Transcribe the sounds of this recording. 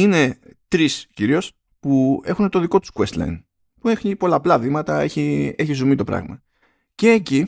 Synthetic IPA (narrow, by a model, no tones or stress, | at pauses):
ine̞t̪ɾisciɾio̞s | pue̞xunet̪o̞ðiko̞t̪u̥skuest̪lɐ̰jn | puexipo̞lɐːplɐðimɐt̪ɐe̞̰çie̞çizumit̪o̞pɾɐ̰ɣmɐ̰ | ce̞ːci